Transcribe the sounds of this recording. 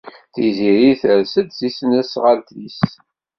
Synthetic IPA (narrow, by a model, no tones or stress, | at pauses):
θiziɾiθəɾsəd̪θisnæsʁəlt̪lis